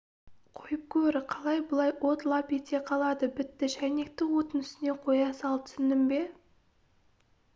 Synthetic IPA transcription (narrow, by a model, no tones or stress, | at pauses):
qʰojəp̚kʲʰɵɾɪqʰɑlˠɑjbʊlˠɑjwʔo̞t̪lˠɑpet̪e̞qʰɑlˠɑd̪əbɪt̪ːɪʃæjne̞k̚t̪ɪwo̞t̪ənʏsɪne̞qʰo̞jɑsɑlˠt̪ʰʏ̥sɪnd̪ɪmbe̞